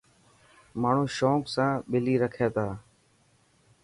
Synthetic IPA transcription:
maːɳ̤ũːʃoːksãːɓɪliːɾəkʰeːt̪aː

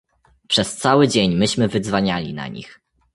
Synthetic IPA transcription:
pʂɛst̪sawɘd͡ʑeɲmɘɕmɘvɘd̪zvaɲalʲina̰ɲḭx

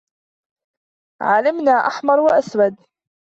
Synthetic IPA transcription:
ʕalɪmnaːʔaħmɑɾˤwaʔaswad̪

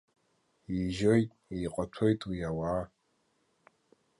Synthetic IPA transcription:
iʒojtʼiqʼatʷʰojtʼwijawaː

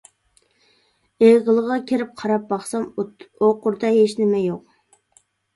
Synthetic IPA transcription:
eʁəlˠəʁɑkʲʰeɾɪp̚qʰɑɾɑp̚bɑχsɑmoqʊɾd̪ɑɦeʃnɪmɛjoq̚

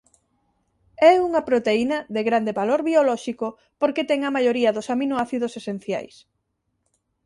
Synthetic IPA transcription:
ɛuŋɐpɾot̪einɐðeɣɾand̪eβaloɾβiolɔʃiko | poɾket̪ɛŋɐmajoɾiɐðʊsaminoaθiðosesen̟θja̰js

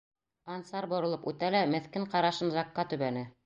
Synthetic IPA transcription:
ɑnsɑɾbŏɾɤ̆lˠɤpʉt̪ælæmɘ̆θkɘɴqɑɾɑʃɤnzɑqːɑt̪ʉβænɘ

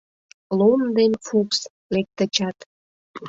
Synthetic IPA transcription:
lond̪enfuks | lek̚t̪ət͡ɕɑt̪

